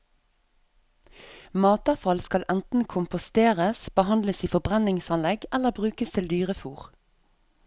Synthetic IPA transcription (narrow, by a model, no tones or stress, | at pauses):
mɑːt̪ɑʁfɑlskɑlʔɛnt̪n̩kʰʊmpʊst̪eːʁəsb̥əhɑnd̪ləsiːfɔbʁɛnɪŋsɑnlɛɡɛləbʁʉːkəst̪ʰɪld̪yːʁəfuːʁ